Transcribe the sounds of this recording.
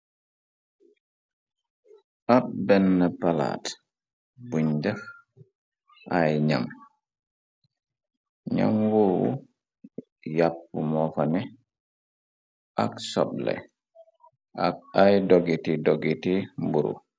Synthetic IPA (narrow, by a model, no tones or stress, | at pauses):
ʔap̚bɛnːəpala̰t | buɲd͡ʒɐf | ʔajɲa̰m | ɲa̰mwɔwṵ | japːumɔfɐnɛ | ʔaksɔ̰ɓ̚lɛ̰ | ʔa̰k̚ajdɔɡitidɔɡitimbuɾṵ